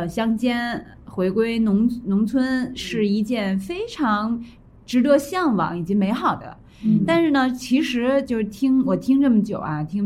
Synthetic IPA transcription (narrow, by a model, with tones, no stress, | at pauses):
ɕjɑ˥ŋt͡ɕjɛ˥n | xwe˧˥ɪkwe˥ɪnʊ˧˥ŋnʊ˧˥ŋt͡sʰwə˥nʂɻ̩˥˩i˥˧t͡ɕjɛ˥˩nfe˥ɪʈ͡ʂʰɑ˧˥ŋ | ʈ͡ʂɻ̩˧˥t̪ɤ˧˥ɕjɑ˥˩ŋwɑ̰˨˩˥ŋi˨˩t͡ɕi˧˥me˧˥ɪxɑ˨˩ʊd̪ə̰˦˥ | t̪a˥˧nʂɻ̩˥˩nə˩t͡ɕʰi˧˥ʂɻ̩˧˥t͡ɕjo˥˧ʊʂ̩˥˩t̪ʰi˥ŋwɔ˨˩t̪ʰi˥ŋʈ͡ʂɤ˥˩mə˩t͡ɕjo˨˩ʊɐ˦t̪ʰi˥ŋ